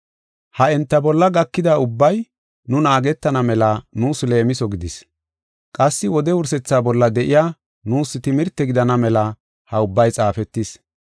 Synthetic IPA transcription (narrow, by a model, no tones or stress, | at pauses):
hɐɛnt̪ːɐbɔlːɐɡɐkːɪd̪aʊbːɐj | nʊnaːɡɛt̪ːɐnɐmɛlɐnuːsle̞ːmɪsɔɡɪd̪ɪs | kʼɐsːɪwɔd̪ɛwʊɾsɛt͡sːaːbɔlːɐd̪ɛʔɪjaː | nuːsɪt̪ɪmɪɾt̪ːɛɡɪd̪ɐnɐmɛlɐ | hɐʊbːɐjt͡sʼaːfɛt̪ːɪs